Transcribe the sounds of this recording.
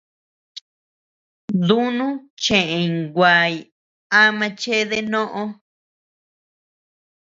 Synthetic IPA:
d̪u˦nũ˦t͡ʃẽ˨ʔẽ˧˨ɡʷa˨j | a˦mã˧t͡ʃe˦ðe˦nõ˦ʔõ˦

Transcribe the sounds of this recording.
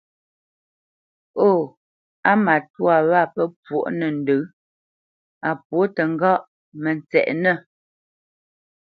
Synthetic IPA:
o˦˨ | a˦ma˨twa˨βa˦˨pə˦pwo˦˨ʔnə˨n̩˨də˨˦ | a˨pwo˨˦tə˨ŋ̩˦ɡɔ˦ʔ | mə˨nt͡sɛ̰˨ʔnə˦˨

